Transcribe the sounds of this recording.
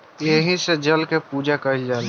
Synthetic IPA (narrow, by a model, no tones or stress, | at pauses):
jeɦĩsed͡ʒəlkepuːd͡ʒakəɦild͡ʒaːl